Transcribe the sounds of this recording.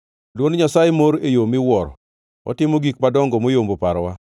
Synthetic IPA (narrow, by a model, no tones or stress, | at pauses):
lwonɲasajemoɾejomɪwɔɾ | ɔ̰tɪmoɡik̚padɔŋɡɔmojombopaɾwa